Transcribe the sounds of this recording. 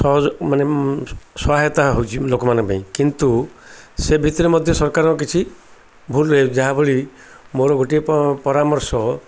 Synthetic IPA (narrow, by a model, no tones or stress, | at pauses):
sɔɦɔd͡ʒɔmaneswaɦɔt̪aɦowt͡ʃʰilokɔmanɔ̃ŋkbaĩkint̪usebʱit̪ɔɾimɔd̪ʱjɔsɔɾkaɾɔɔk̬it͡ʃʰi | bʱuleed͡ʒaɦabʱoɭi | moɾɔɡʱoʈippɔɾamɔɾsɔ